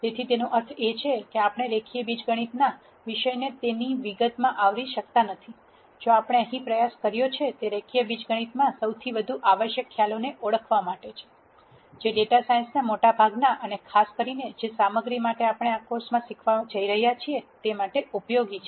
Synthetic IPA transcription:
d͡ʒ̪et̪ʰit̪enũʔəɾt̪ʰet͡ʃʰekeapəɳ̃eɾekʰijebid͡ʒɡəɽ̃it̪na | ʋiʃəjnet̪eniʋiɡət̪mãʔaʋɾiʃək̚t̪anət̪ʰi | d͡ʒoapɽ̃eəɦĩpɾəjaskəɾjot͡ʃʰet̪eɾekʰijəbid͡ʒɡəɽ̃it̪mãsəwt̪ʰiʋəd̪ʱuʔaʋəʃjəkʰːjaloneʔoɽəkʰʋamaʈet͡ʃʰe̥ | d͡ʒeɖeʈasainsnamoʈabʱaɡnaʔənekʰaskəɾined͡ʒesaməɡɾimaʈeapɽ̃eakoɾsmãsikʰʋad͡ʒəiɾəɦjat͡ʃʰiet̪emaʈeʔupjoɡit͡ʃʰe

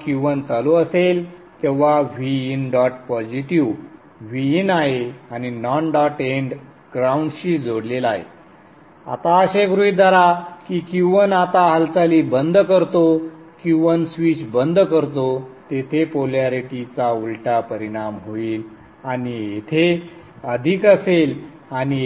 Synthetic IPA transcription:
kiʋənt͡saloəsel | t̪ẽʋaʋiinɖɔʈpɔd͡ʑiʈiʋ | ʋiinaɦeañinɔnɖɔʈeɳɖ | ɡɾauɳɖɕiːd͡zoɽlelaɦḛ | a̰t̪aəɕeɡɾuid̪ʱaɾakiːkiʋənat̪aɦəlt͡saliːbənd̪ʱkəɾt̪o | kĩʋənsʋit͡ɕbənd̪ʱkəɾt̪ot̪et̪ʰepoljaɾiʈit͡saulʈapəɾiɽ̃amɦoiːl | aniet̪ʰe | əd̪ʱikəsel | ani

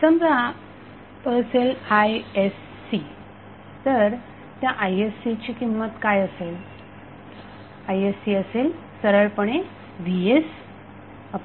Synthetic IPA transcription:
səmd͡za | pəɭselajesːi | t̪əɾ | t̪jaʔajesːit͡ɕiːkimːət̪kajəsel | ajesːiəsel | səɾəɭpəɳe | ʋies | əp

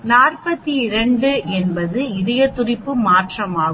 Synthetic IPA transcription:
naːrpɐt̪ːiɪɾɐɳɖɯɛnbɐðɯɪðɐjɐt̪ːʊrɪpːɯmaːʈrɐmaːɣ

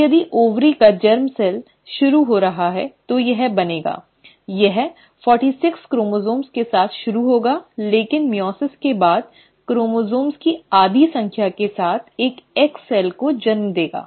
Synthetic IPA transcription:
jɐd̪iʔoːʋɾikad͡ʒɐɾmsɛːl | ʃʊɾuɦoɾɐɦaɦɛ̰t̪ojɐɦbɐneːɡa̰ː | jɐɦ | fɔːɾʈiːsɪkskɾoːmozoːmskesaːt̪ʰʃʊɾuɦoːɡaːleːkɪnmjɔːsɪskebaːd̪̚ | kɾoːmoːzoːmskiaːd̪ʱisɐ̃ŋkʰjakesaːt̪ʰeːkɛksɛːlkod͡ʒɐɾmd̪eːɡa̰ː

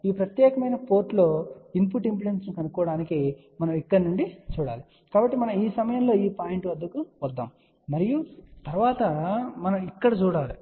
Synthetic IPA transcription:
iːpɾɐt̪jɛːkɐmɐjnɐpoːɾʈlo̞ːimpuːʈimpluɽensnukɐnukɔːɐɽaːniki | mɐnɐmikːɐɽɐnuɳɖit͡ʃuːɽaːli | kaːbɐʈːimɐnɐmiːsɐmɐjɐmlo̞ːiːpaːjeɳʈuʋɐd̪ːukuʋɐd̪ːa̰ːm | mɐɾijut̪ɐɾʋaːt̪ɐmɐnɐmikːɐɽɐt͡ʃuːɽaːli

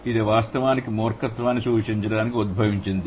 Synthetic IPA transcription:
id̪eːʋaːst̪ɐʋaːnikimɔːɾkɐt̪ʋaːnːisuːʂiɲt͡ʃɐɽaːnikiud̪̚bʱɐʋiɲt͡ʃind̪i

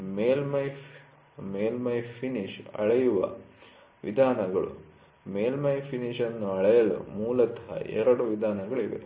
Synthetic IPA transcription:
meːlmɐj | meːlmɐjpʰiniʂɐ̰ɭɐjuʋɐ̰ | ʋḭd̪ʱaːnɐɡɐɭṵ | meːlmɐjpʰiniʂɐnːuɐɭɐjɐlṵmuːlɐt̪ɐɦɐ̰ɛ̰ɾɐɽuʋid̪ʱaːnɐɡɐɭiʋḛ

